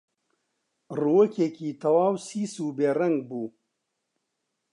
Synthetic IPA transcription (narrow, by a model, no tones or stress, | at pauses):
ruwɐkʰeːkiːt̪ʰɐwaːwsiːsuːbeːrɐŋɡ̚buː